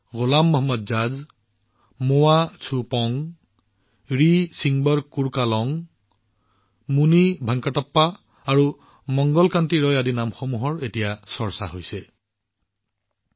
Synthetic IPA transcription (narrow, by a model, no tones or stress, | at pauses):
ɣolamːɔɦɔmːɔdzaz | mowat͡sʰupɔŋ | ɹisiŋbɔɹkuɹkalɔŋ | munibʱaŋkatɔpːaː | ɹu | mɔŋɡɔlkantiɹɔjadinamxomuɦɔɹetijasɔɹsa̰ɦojsɛ